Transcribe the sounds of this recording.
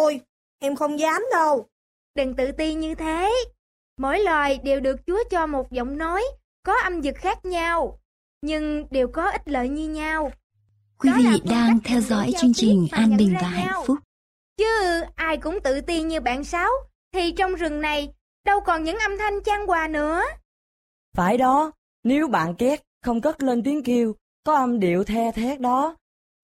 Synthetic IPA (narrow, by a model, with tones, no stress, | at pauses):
o˧j | ʔɛ˧mxə˧wŋ͡mzaː˨˦mɗə˧w | ɗə˨˩ŋt̪ɨ̰˧˨t̪i˧nɲɨ˧t̪ʰe˨˦ | mo̰˧˩jlwaː˨˩jɗe˨˩wɗɨ˨˩ək̚t͡ɕu˨˦ət͡ɕɔ˧mo˨˩t̚zə̰˧˨wŋ͡mno˨˦j | kɔ˨˦ʔə˧mzɨ˨˩k̚xaː˦˥k̚ɲa˧w | ɲɨ˧ŋɗe˨˩wkɔ˨˦ʔï˦˥t̚lə̰ː˧˨jɲɨ˧ɲa˧w | kwi˨˦vḭ˧˨ɗaː˧ŋt̪ʰɛ˧wzɔ̰˧˥jt͡ɕɨ˧əŋt͡ɕï˨˩ŋ̟ʔʔaː˧nɓï˨˩˨ŋ̟vaː˧˩ɦa̰˧˨ŋfʊ˦˥k͡p̚ | t͡ɕɨ˧˨˩ʔaː˧jkʊ̰˧˥ŋ͡mt̪ɨ̰˧˨t̪i˧əɲɨ˧ɓa̰ː˧˨nsaː˨˦w | t̪ʰi˨˩t͡ɕɔ˧wŋ͡mzɨ˨˩ŋna˨˩j | ɗə˧wkɔ˨˩nɲɨ̰˧˥ŋʔə˧mt̪ʰa˧jŋ̟t͡ɕaː˧ŋkwaː˨˩nɨ̰˧˥ə | faː˧˩jɗɔ˨˦ | ne˨˦wɓa̰ː˧˨nkɛ˦˥t̚xə˧wŋ͡mkə˦˥t̚le˧nt̪i˨˦əŋki˧əw | kɔ˨˦ʔə˧mɗi˧˩˨əwt̪ʰɛ˧t̪ʰɛ˦˥k̚ɗɔ˨˦